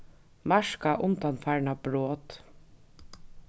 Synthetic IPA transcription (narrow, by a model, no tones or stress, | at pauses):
mɑʃkaʔʊnt̪ɑnfæɹɳɑbɾoːt̪